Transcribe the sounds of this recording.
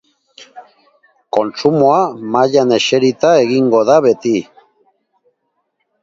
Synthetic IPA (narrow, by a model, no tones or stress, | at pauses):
ko̞nsumoamaʎane̞ʃe̞ɾit̪aeɣiŋɡo̞ðaβe̞t̪i